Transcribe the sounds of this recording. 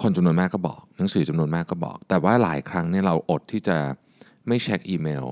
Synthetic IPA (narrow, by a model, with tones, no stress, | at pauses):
kʰo˧nt͡ɕa˧mnu˧ə˧maː˥˩kːɔː˥˩bɔ̰ː˨˩k̚na˩˦ŋsɯː˩˦t͡ɕa˧mnu˧ənmaː˥˩kːɔː˥˩bɔ̰ː˨˩k̚t̪ɛː˨˩waː˦˥˩la̰ː˨˩˦jkʰɾa˦˥ŋni˦˥˩ɐɾa˧wʔo˨˩t̪ʰːiː˥˩t͡ɕa˨˩ | ma˥˩jt͡ɕʰɛ˦˥k̚ʔiː˧meː˧w